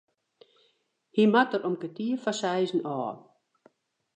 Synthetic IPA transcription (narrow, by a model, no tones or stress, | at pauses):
himatəɾɔmkətiəfasɛjzən̩ɔː